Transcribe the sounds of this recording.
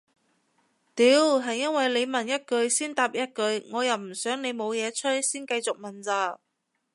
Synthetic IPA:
t̪iː˨˥wɦɐ˨jːɐ˥nwɐ˨˩jle˨˧jmɐ˨˩njɐ˥t̚kɵ˨˧ɥsiː˥nt̪aː˨p̚jɐ˥t̚kɵ˨˧ɥŋɔː˨˧jɐ˨˩wm̩˨˩sœː˨˥ŋne˨˧jmo˨˧wjɛː˨˧t͡sʰɵ˥t̚siː˥nkɐ˧jt͡sʊ˨k̚mɐ˨˩nt͡saː˧˩

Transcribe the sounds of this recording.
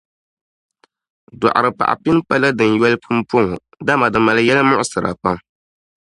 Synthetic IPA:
dɔ̰˨ʔa̰˨ɾɨ˨pa̰˨ʔa̰˨pi˦n˦pa˦la˦dɨ˨n˨jɛ˦lɨ˦pʰu˦m˦po˦ŋo˨ | da˦ma˨dɨ˨ma˨lɨ˦jɛ˦la˦mʊ˦ʔʊ˨sɨ˨ɾa̰˨pa˦m

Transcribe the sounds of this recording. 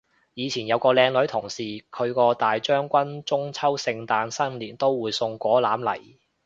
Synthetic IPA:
jiː˨˧t͡sʰiː˨˩njɐ˨˧wkɔː˧lɛː˧ŋlɵ˨˥ɥt̪ʰʊ˨˩ŋsiː˨˩kʰɵ˨˧ɥkɔː˧t̪aː˨jt͡ʃœː˥ŋkʷɐ˥nt͡sʊ˥ŋt͡sʰɐ˥wsɪ˧ŋt̪aː˧nsɐ˥nliː˨˩nt̪o˥wːuː˨˧jsʊ˧ŋkʷɔː˨˥laː˨˥mlɐ̰˨˩j

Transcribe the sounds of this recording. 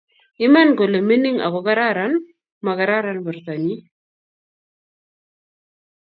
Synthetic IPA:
i˦ma˦nko˨le˨me˦ni˦ŋa̰˨kɔ˨ka˦ɾa˦ɾa˨˦n | ma˨ka˨ɾa˦ɾa˦nbu˨ɾt̪a˨ni˦

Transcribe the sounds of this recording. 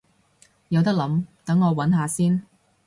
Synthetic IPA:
jɐ˨˧wt̪ɐ˥k̚lɐ˨˥mt̪ɐ˨˥ŋːɔː˨˧wɐ˨˥nɦaː˧siː˥n

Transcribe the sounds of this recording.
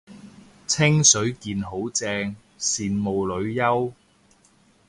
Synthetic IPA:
t͡sʰɪ˥ŋsɵ˨˥ɥkiː˨nɦo˨˥wt͡sɛː˧ŋ | siː˨nmo˨wlɵ˨˧ɥjɐ˥w

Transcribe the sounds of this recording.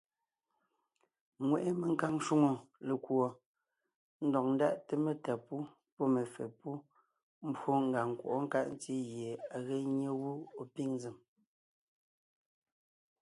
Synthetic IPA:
ŋwe˨ʔe˦me˨ŋ̩˦ka˦ŋʃu˦ŋo˨le˨kwɔ˨ | n̩˦dɔ˨k̚n̩˦da˦˨ʔte˨me˨ta˨pu˦ | pɔ˦me˨fḛ˨pu˦ | m̩˦bwo˦ŋ̩˨ɡa˨ŋ˨kwo̰˨ʔɔ˦ŋ̩˦ka̰˦ʔn̩˦ti˦ɣje˨a˨ɣe˦ɲe˦wu˦o˨pi˦ŋn˦zi˨m

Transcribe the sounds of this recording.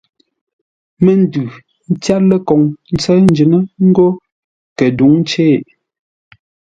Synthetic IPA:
me˦n̩˦dʉ˨ | n̩˦t͡sja˦tlə˦kɔ˨ŋn̩˦t͡sɛ˦n̩˦d͡ʒi˨nə˦ŋ̩˦ɡo˦ | kə˨du˨˦ŋ˦t͡ʃeː˦˨ʔ

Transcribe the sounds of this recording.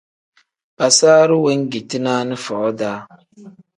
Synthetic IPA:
ba˨saː˦ɾɪ˦wɛ˦ŋɡi˨tɪ˦naː˦nɪ˦fɔ˨ʔɔ˦daː˨˦

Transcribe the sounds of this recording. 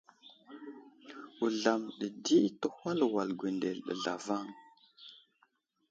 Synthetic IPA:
u˨ɮa˨mɗə˨di˦tə˦ha˦lwa˨lɡʷe˨nde˨lɗə̰˨ɮa̰˨va˦˨ŋ

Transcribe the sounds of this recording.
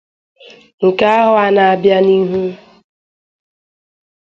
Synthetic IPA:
ŋ̩˨ka˦a˦ɦʊ˦a˨na˨a˨bja˦ni˦ɦu˦

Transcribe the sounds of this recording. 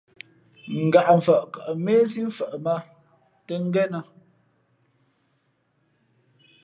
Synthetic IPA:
ŋ̩˨ɡa˨ʔɱ̩˨fə˨ʔkə˨ʔmeː˦si˦ɱ˦fə˨ʔma˦ | tə˦ŋ̩˦ɡɛ˦nə˨

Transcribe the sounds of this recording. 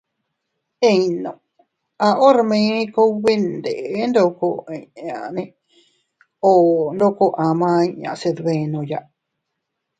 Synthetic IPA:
ẽ˧nõ˨ | a˧ʔo˦ɾmẽ˧˦ko˦βe˦nd̪e˨ʔnd̪o˧ko˧ẽ˨ã˨nẽ˧ | o˧˨nd̪o˧ko˧ʔã˨mã˧ĩ˧ɲã̰˨se˧ðβẽ˧nõ˧˨ja˧ʔ

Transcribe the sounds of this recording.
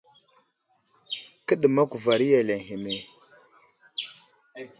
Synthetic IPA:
kə˦ɗə˨ma˦ku˨va˨ɾi˦ja˨le˨ŋɦe˨me˨

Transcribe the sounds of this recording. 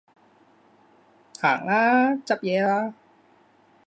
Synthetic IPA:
hʰaː˩˦ŋlaː˦˥t͡ɕa˧˥p̚jɛː˧la˦˥

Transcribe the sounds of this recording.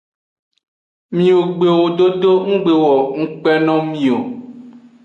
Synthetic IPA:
mĩ˨o˨ɡ͡be˨wo˨ɖo˦do˦ŋũ˦ɡ͡be˨wɔ˨ŋũ˦k͡pɛ˦nɔ̃˦mĩ˨o˨

